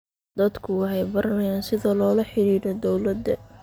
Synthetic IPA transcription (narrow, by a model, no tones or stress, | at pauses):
d̪̥ɐd̪kʰʊwɑħɛjbɐɾɐnɐjaːnsɪðɐlɔːlɐħɪɾiːɾɔd̪ɔwlɐd̪ːɐ